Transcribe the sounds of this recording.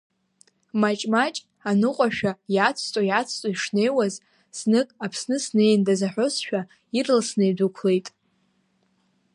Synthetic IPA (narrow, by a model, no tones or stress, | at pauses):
mat͡ʃʼmat͡ʃʼ | anɨqʷʼaʃᶣajat͡sʷʰtʼojat͡sʰt͡sʼoiʂne̞jwaz | snɨkʼapʰsnɨsne̞jndazaħʷᶣosʃᶣa | irlsnejdʷukʷʰle̞jtʼ